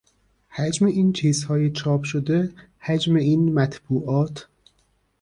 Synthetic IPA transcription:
hæd͡ʒmeiːnt͡ʃʰiːzhɒːjet͡ʃʰɒːpʰʃod̪e | hæd͡ʒmeiːnmæt̪ʰb̥uːʔɒːt̪ʰ

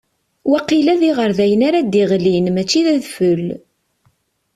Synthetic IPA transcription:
wæqilæðiʁəɾðæjənaɾad̪iʁlinmæt͡ʃːiðæðfəl

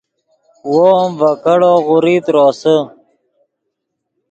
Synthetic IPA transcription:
womvəkəɽoːʁʊɾiːt̪ɾoːsə

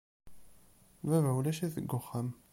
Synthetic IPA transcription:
vævæwlæʃæθə̰ɡːʊχːam

